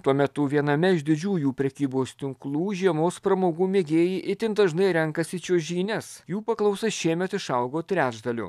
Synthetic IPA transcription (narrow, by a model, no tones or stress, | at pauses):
t̪uɔmʲɛt̪ʊʋʲiɛnɐmʲɛɪʒʲd̪ʲɪd͡ʒʲuːjuːpʲɾʲɛkʲiːboːst̪ʲɪŋklˠuːʒʲiɛmoːspɾɐmoːɡuːmʲeːɡʲeːjiːʔɪt̪ʲɪnd̪ɐʒnɐɪɾʲɛŋkɐsʲɪt͡ʃʲoːʒʲiːnʲɛsjuːpɐklˠɐʊsɐsʃʲiɛmʲɛt̪ɪʃɐʊɡoːt̪ʲɾʲæːd͡ʒd̪ɐlʲʊ̰